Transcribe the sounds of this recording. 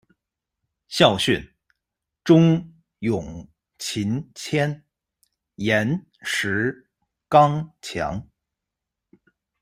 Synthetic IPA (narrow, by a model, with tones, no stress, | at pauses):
ɕjɑ˥˧ʊɕy˥˩n | ʈ͡ʂʊ˥ŋ | jʊ˨˩ŋ | t͡ɕʰi˧˥nt͡ɕʰjɛ˥n | jɛ˧˥n | ʂɻ̩˧˥ | kɑ˥ŋt͡ɕʰjɑ̰˧˥ŋ